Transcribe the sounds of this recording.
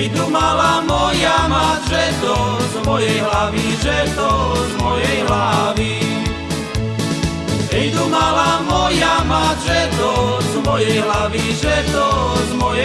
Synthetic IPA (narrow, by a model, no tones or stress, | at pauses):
jd̪umalamɔjamaʒɛt̪ɔzmɔjɛjɦlaʋiʒɛt̪ɔzmɔjɛjɦlaʋi | ɛjd̪umalamɔjamaʒɛt̪ɔzmɔjɛjɦlaʋiʒɛt̪ɔzmɔjɛ